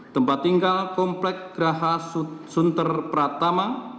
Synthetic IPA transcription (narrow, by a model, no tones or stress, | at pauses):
t̪əmpat̪ːiŋɡalkɔmplɛk̚ɡ̥ɾaɦassunt̪ərpəɾat̪ama